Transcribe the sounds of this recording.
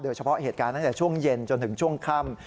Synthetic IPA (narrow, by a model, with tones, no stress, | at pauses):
doː˧jt͡ɕʰa˧pʰɔ˦˥ʔɦeː˨˩t̪̚kaː˧nt̪a˥˩t̪ɛː˨˩t͡ɕʰu˥˩əŋje˧nt͡ɕo˧nt̪ɯ˩˦ŋt͡ɕʰu˥˩əŋkʰa˥˩m